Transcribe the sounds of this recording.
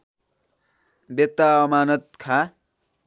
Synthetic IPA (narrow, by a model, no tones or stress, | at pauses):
bet̪ːaʌmaːnʌt̪̚kʰa